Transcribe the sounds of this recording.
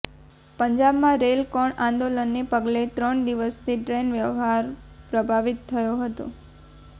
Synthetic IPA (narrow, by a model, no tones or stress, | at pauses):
pəɲd͡ʒabmãɾelkɔɳãnd̪olənːepəɡlet̪ɾəɳd̪iʋəst̪ʰiʈɾenʋjəʋɦaɾ | pɾəbʱaʋit̪ʰːəjoɦət̪o̰